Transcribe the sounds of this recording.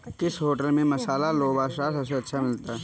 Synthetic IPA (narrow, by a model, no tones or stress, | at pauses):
kɪsɦoːʈəlmẽmɐsaːlaloːbaːʃɾasɐseɐtːʃʰamɪlt̪a